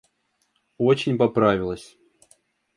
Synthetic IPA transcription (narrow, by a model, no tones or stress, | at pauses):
o̞t͡ɕɪnʲpɐpɾavʲɪlˠəsʲ